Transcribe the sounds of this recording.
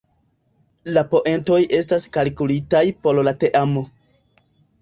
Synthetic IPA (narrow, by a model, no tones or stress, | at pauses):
lapo̞ʔe̞nto̞jʔe̞staskalkulitajpo̞llate̞ʔamo̞